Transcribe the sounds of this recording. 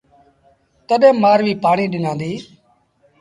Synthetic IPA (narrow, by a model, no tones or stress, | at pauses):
t̪əɗẽːmaːɾʋiːpaːɳiːɗɪnãːnd̪iː